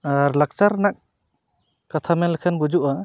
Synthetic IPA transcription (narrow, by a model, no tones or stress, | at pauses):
aɾlak̚t͡ʃaɾnak̚ | kat̪ʰamɛnlɛkʰɛnbud͡ʒuʔa